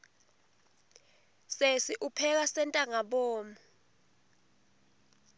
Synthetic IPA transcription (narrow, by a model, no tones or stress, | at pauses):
sesiʔupʰɛk̬asɛntʼaŋaɓɔːmu